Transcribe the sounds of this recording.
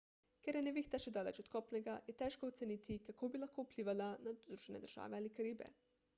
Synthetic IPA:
kɛɾjɛnɛʋiːxt̪aʃɛd̪aːlɛt͡ʃɔt̪kɔːpnɛɡajɛt̪ɛːʃkɔɔt̪sɛniːt̪ikakʰoːbilaxkoːupliːʋalanazɾuːʒɛnɛ̰d̪əɾʒ̥a̰ːʋɛaːlikaɾiːbɛ̰

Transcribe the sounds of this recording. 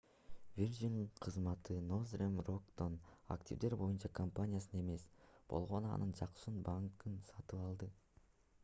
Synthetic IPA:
vʲird͡ʒiŋqʰɯzmɑt̪ʰɯno̞zrʲemrokt̪ona̰ktʲḭvd̪e̞ɾbo̞junt͡ʃɑkʰampanʲijasɯne̞me̞sb̥o̞lˠʁo̞nɑ̰nʔɯnd͡ʒɑqʃunbaŋkɯnsɑt̪ɯpɑlˠd̪ɯ

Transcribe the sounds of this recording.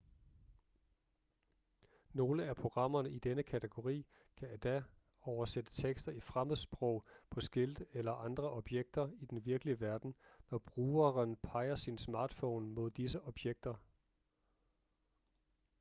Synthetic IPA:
no̝ːləæpʰʁo̝ɡ̥ʁɑ̈m̰ɐnəid̥enəkʰæt͡sʰe̝ɡ̥o̝ʁḭː | kʰææd̥æ | ɒʊɐsed̥ə̥t͡sʰeɡ̥sd̥ɐifʁaməð̩ˠsb̥ʁɔ̽ʊ̰pʰɒ̽sɡ̥e̝ld̥elɐʔɑ̈nd̥ʁɐʔɒ̽b̥jeɡ̥̚d̥ɐid̥enʋiɐɡ̥əliəʋæɐd̥n̩nɒb̥ʁuːɐʁənpʰɑ̈ɪ̰ɐsinsmɑ̈ːd̥fɔʊ̰nmo̝ð̞ˠd̥isəʔɒ̽b̥jeɡ̥̚d̥ɐ

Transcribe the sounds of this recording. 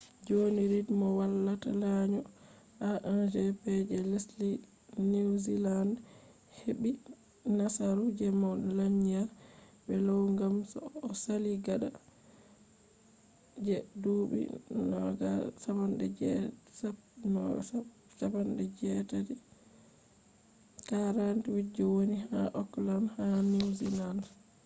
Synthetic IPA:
d͡ʒoniɾidmɔwalːata̰laɲɔ | aʔand͡ʒɛpɛd͡ʒɛlesli | niwzilan | heɓi | nasaɾud͡ʒɛmɔɗlaɲa | bɛlɔwŋɡamsɔ̰ːsaliɡaɗa̰ | d͡ʒɛduɓḭnɔɡasabanɗɛ̰d͡ʒɛsanɔ̰ɡa̰ | sabanɗɛd͡ʒɛtadi | kaɾantiwid͡ʒːɔwonihaʔɔklanhaniwziland

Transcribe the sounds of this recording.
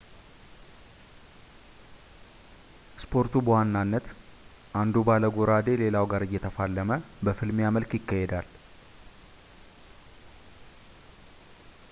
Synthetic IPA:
spʰo̞ɾt̪ubəwanːanːət̪ | ʔand̪ubaləɡoɾad̪e̞le̞lawɡaɾɨjːɛt̪ʰəfalːəməbəfɨlmjaməlkjɪkːahed̪al

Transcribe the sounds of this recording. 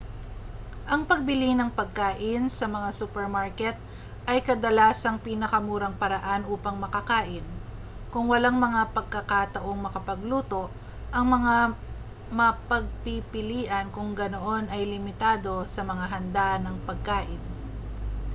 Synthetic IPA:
ʔɐŋpɐɡ̚bɪlɪnɐŋpɐɡ̚kaːʔɪnsɐmɐŋasuːpɛɹmaɹkɛt̪̚ | ʔɐjkɐd̪ɐlaːsɐŋpiːnɐkɐmuːɾɐŋpɐɾɐʔanuːpɐŋmɐkɐkaːʔɪn | kʊŋwɐlaŋmɐŋapɐɡ̚kɐkat̪ɐʔo̞ŋmɐkɐpɐɡluːt̪o̞ʔ | ʔɐŋmɐŋa | mɐpɐɡ̚pipɪliːʔɐnkʊŋɡɐnoʔo̞nɐjlɪmɪt̪aːd̪o̞sɐmɐŋaɦɐnd̪aːʔɐnɐŋpɐɡ̚kaːʔɪn

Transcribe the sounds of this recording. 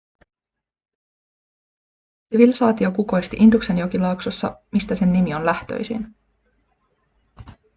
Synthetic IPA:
siʋilsɑːt̪io̞kuko̞jst̪iʔind̪ukse̞njo̞k̟ilɑuksosːɑ̰mist̪æse̞nːimio̞nlæht̪ø̞̰jsḭn

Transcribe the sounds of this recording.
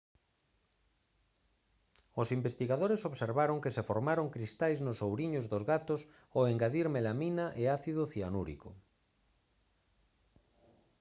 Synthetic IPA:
osimbest̪iɣaðoɾesoβseɾβaɾoŋkesefoɾmaɾoŋkɾist̪ajznosowɾiɲozðozɣat̪os | oeŋɡaðiɾmelaminaʔeaθiðʊθianuɾḭko̰

